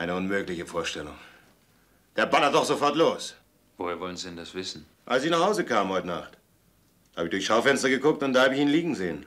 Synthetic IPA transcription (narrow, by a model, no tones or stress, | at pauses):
ʔaɪnəʊnmøːklɪçəfoːɐʃtɛlʊ̰ŋ | d̥eːɐbanɐtdɔχz̥ofɔɐtloːs | voːheːɐvɔlənzidɛndasv̥ɪsn̩ | ʔalsɪçnaχhaʊzəkʰaːmənhɔʏtna̰χt | haːbəɪçd̥ʊɐçʃaʊfɛnstɐɡəkʊk̚tʊntd̥aːhaːbəɪçiːnliːɡŋ̩zeːən